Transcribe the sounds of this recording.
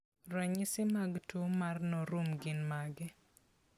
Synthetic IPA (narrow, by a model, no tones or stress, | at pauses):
rɔɲɪsɪmaɡtumarnɔɾumɡɪnmaɡɪ